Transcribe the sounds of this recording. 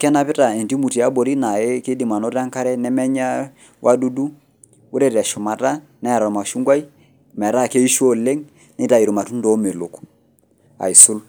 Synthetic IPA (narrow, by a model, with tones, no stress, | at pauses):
kɛ˦na˨pɪ˦ta˨e˨ndi˦mu˨ti˨a˦bo˨ɾi˦na˨e˦ke˦di˨ma˨nɔ˦ɾa˦ŋka˦ɾɛ˦nɛ˦mɛ˦ɲa˦ | wʔa˦du˦du˦ | o˦ɾe˦ɾɛ˨ʃʊ˨ma˨ta˦ | nɛ˦a˨ɾɔ˨ma˨ʃu˦ŋɡwa˦i˦ | mɛ˨ɾa˦˨ke˦i˦ʃo˦˨le˦ŋ | nɪ˦ta˨i˨ɾo˨ma˨tu˦ndo˨˦me˨lʊ˨k | a̰˨i˨sʊ˦l